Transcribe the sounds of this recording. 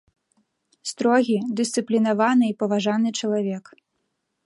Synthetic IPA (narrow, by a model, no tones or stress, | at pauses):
st̪ɾɔɣʲid̪ɨst̪sɨplʲinavanɨipɐvaʐanɨt͡ʂɐlˠavʲɛk